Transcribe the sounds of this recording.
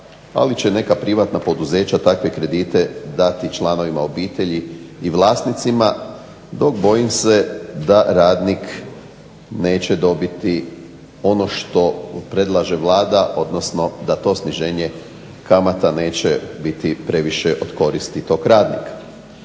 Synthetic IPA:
a̰lit͡ɕene̞kapɾiʋat̪napo̞d̪uze̞ːt͡ɕat̪akʋe̞kɾe̞d̪iːt̪e̞d̪at̪it͡ʃlˠano̞ʋimao̞biːt̪e̞ʎiːʋlˠaːsnit̪sima | d̪o̞kbo̞jimse̞d̪aɾaːd̪nik | ne̞ːt͡ɕe̞d̪o̞bit̪i | o̞no̞ʃt̪o̞pɾe̞d̪lˠaʒe̞ʋlˠaːd̪aʔo̞d̪no̞sno̞d̪at̪o̞ːsniʒe̞ːɲe | kamat̪ane̞ːt͡ɕebit̪ipɾe̞ʋiʃeʔo̞d̪ko̞ɾist̪it̪o̞ːkɾaːd̪nḭkḁ

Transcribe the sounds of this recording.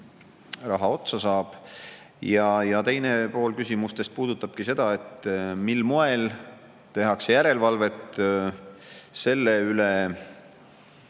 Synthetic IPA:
rɑɦɑo̞t̪sɑsɑːb̥ | jɑjɑt̪e̞jnepo̞ːlkysʲimust̪e̞st̪̚puːd̪̥ut̪ːˑɑb̥kise̞d̪̥ɑe̞t̪ːmilmoe̞l | t̪e̞ɦɑksejæɾe̞lvɑlve̞t̪ː | se̞lːeyle

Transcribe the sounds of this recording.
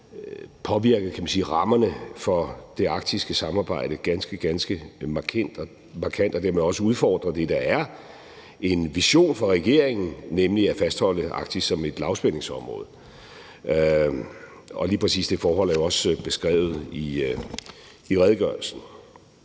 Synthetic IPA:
pʰɒ̽ʋiɐɡ̥əð̩ˠkʰæmænsiːʁɑ̈mɐnəfɒ̽d̥e̝ɑ̈ɡ̥̚d̥isɡ̥əsɑ̈mɑ̈ːb̥ɑ̈ɪ̰ɾ̥əɡ̥ænsɡ̥əɡ̥ænsɡ̥əmɑ̈kʰæn̰d̥ɒ | mɑ̈kʰæn̰d̥ɒ̽d̥eɐmeɒ̽səuð̞ˠfɒ̰ːd̥ʁɐd̥e̝d̥ɑ̈æɐ | e̝nʋiɕo̝̰ːnfɒ̽ʁɛɡ̥e̝̰ɐeŋn̩nemliæfæsd̥hɒ̽l̰əʔɑ̈ɡ̥̚d̥i̥sɒ̽me̝d̥lɑ̈ʊsb̥elne̝ŋsɒ̽mʁɔ̽ːð̞̩ˠ | ɒ̽liːpʰʁɛsḭːsd̥e̝fɒːɦɒ̽l̰æɐjo̝ɒ̽səb̥e̝sɡ̥ʁɛ̰ːʊð̩ˠi | iʁɛð̞ˠɡ̥ɶɐl̩sn̩

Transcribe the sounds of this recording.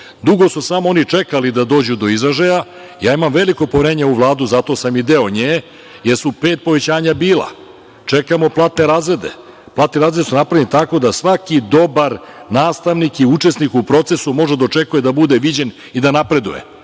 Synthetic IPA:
d̪uɡo̞susamoo̞nit͡ʂekalid̪ad̪o̞ːd͡ʑud̪o̞izɾaʒaja | jaːimamʋe̞likopoʋeɾe̞ːɲauʋlˠaːd̪uzat̪o̞samid̪eoɲeː | jeɾsupe̞ːt̪̚po̞ʋe̞t͡ɕaːɲabiːlˠa̰ | t͡ʃe̞kamo̞plˠaːt̪ne̞ɾaːzɾe̞d̪e̞̰ | plaːt̪neɾaːzɾed̪e̞sunapɾavenit̪ako̞d̪asʋakid̪o̞baɾnaːst̪aʋnikiut͡ʂe̞snikupɾo̞t̪se̞sumo̞ʒed̪aot͡ʂe̞kujed̪abud̪eʋid͡ʑe̞n | id̪anapɾe̞d̪ṵje̞̰

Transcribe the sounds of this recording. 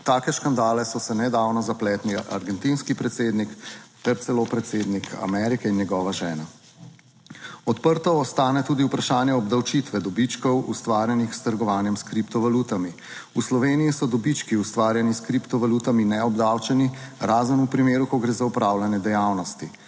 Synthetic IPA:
t̪aːkɛʃkand̪aːlɛsɔsɛnɛd̪aːwnɔzaplɛːt̪niʔa̰ɾɡɛnt̪inskipɾɛt̪seːd̪nikt̪ɛɾt̪sɛlopɾɛt̪seːd̪nikʰa̰mɛɾikɛinjɛɡɔːʋaʒɛːna | ɔt̪pəɾt̪ɔːst̪aːnɛt̪uːd̪iupɾaʃaːnjɛɔbd̪awt͡ʃit̪ʋɛd̪ɔbit͡ʃkɔwṵst̪ʋaːɾjɛnixst̪əɾɡɔʋaːnjɛmskɾipt̪ɔʋaluːt̪ami | uslɔʋeːniisɔd̪ɔbit͡ʃkiust̪ʋaːɾjɛniskɾipt̪ɔʋaluːt̪aminɛɔbd̪awt͡ʃɛniɾaːzənupɾimeːɾukɔɡɾeːzaupɾaːwlanjɛd̪ɛjaːwnɔst̪i

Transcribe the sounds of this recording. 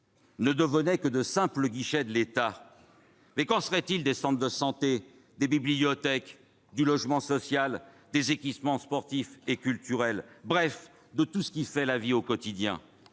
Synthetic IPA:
nəd̪əvənɛkəd̪əsɛ̃pləɡʲiʃɛd̪əlet̪a | mɛkɑ̃səʁɛt̪ild̪esɑ̃t̪d̪əsɑ̃t̪e | d̪ebiblijɔt̪ɛk | d̪ylɔʒmɑ̃sɔsjal | d̪ezekʲipmɑ̃spɔʁt̪ifekʲylt̪yʁɛlbʁɛf | d̪ət̪usə̥kʲifɛlaviokɔt̪id̪jɛ̰̃

